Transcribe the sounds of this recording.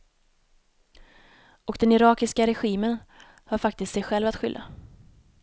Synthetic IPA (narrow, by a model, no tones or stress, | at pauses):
ɔkd̪ɛnɪɾɑːkɪskaɾɛɧiːmən | haɾfak̚t̪ɪst̪sɛjɧɛlvat̪ɧʏlːa̰